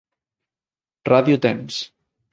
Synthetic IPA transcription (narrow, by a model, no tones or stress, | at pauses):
raðjut̪ɛms